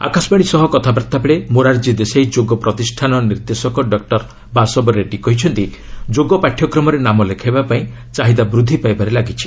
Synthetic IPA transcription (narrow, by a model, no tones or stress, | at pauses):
a̰kasbaɽ̃isɔɦɔkɔt̪ʰabaɾt̪ʰabeɭemoɾaɾd͡ʒid̪esejd͡ʒoɡɔpɾɔt̪isʈʰanɔniɾd̪esɔkɔɖɔk̚ʈɔɾ | basɔbɔɾeʈikɔɦit͡ʃʰɔnt̪id͡ʒoɡɔpaʈʰjɔkɾɔmɔɾenamɔlekʰabapaĩ | t͡ʃaɦid̪abɾud̪ʱːipajbaɾelaɡit͡ʃʰi̥